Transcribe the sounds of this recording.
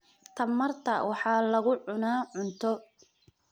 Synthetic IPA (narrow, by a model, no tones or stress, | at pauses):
t̪ʰɐmːɐrt̪ʰɐwʔɑħɑːlɐɣʊʕʊnaːʕʊnt̪ʰɔ